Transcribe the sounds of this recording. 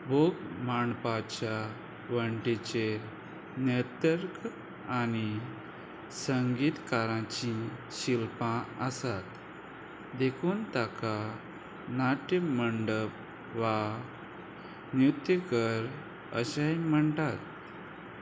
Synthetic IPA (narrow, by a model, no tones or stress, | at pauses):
boɡmaɳpat͡ɕja | ʋəɳʈit͡ɕe | njət̪əɾk | ani | səŋɡiːt̪kaɾãt͡ɕĩɕilpãəsat̪ | d̪ekʰuːnt̪aka | naʈəməɳɖəp̚ | ʋa | njut̪jəkəɾ | ə̰ɕajm̤əɳt̪at̪̚